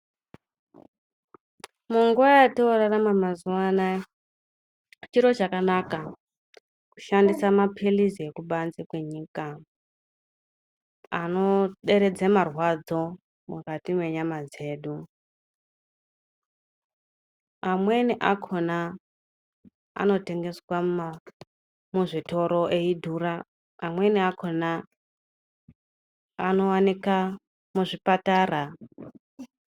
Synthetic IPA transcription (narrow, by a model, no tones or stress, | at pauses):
muŋɡuajatiwoɾaramamazuwana | t͡ʃiɾo̞t͡ʃakanaka | ku̥ʃandisamapʰeliziekuɓanzikwe̞ɲiːka | anoɗe̞ɾed͡zemarwad͡zo̞ | mṵkatimwe̞ɲamad͡ze̞ːɗu | amweniʔakʰona | a̰no̞teŋɡe̞swa | muʐitʰo̞ɾoʔeidʱuɾa | amweniakʰona | ano̞wanika | muʐipataːra